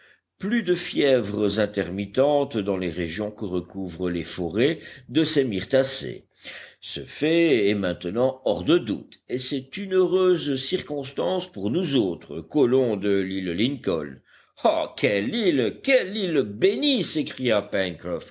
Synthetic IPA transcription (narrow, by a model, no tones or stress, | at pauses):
plyd̪əfjɛvʁəzɛ̃t̪ɛʁmit̪ɑ̃t̪d̪ɑ̃leʁeʒjɔ̃kəʁəkʰuvʁəlefɔʁed̪əsemiʁt̪asḛ | sə̰fɛɛmɛ̃t̪ənɑ̃ɔʁd̪əd̪ṵt̪esɛt̪ynøʁøzsiʁkɔ̃st̪ɑ̃spuʁnuzoːt̪χəkɔlɔ̃d̪əlilliŋkɔ̰ln | akʲʰɛlilkʲɛlilbenisekχijapɛnkχɔf